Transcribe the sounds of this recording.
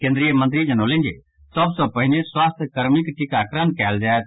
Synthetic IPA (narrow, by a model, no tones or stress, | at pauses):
kẽːnd̪ɾijəmɐ̃nt̪ɾid͡ʒɐnoːlɪ̃nd͡ʒḛ | sɔbsɔpɐɦineswaːst̪ʰkɐɾmɪkʈɪkakɾənkɛːld͡ʒaːet̪